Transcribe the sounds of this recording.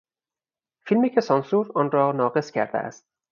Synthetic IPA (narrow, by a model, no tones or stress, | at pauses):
filmiːcʰesɒnsuːɾɒːnrɒːnɒːɣe̞scʰæɾd̪ḛʔæ̰st̪̚